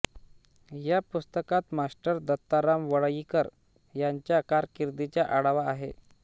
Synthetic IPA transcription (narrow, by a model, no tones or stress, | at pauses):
japust̪əkat̪masʈəɾd̪ət̪ːaɾamʋəɭjikəɾ | jaɲt͡ɕjakaɾkiɾd̪it͡ɕjaʔaɽaʋaːɦe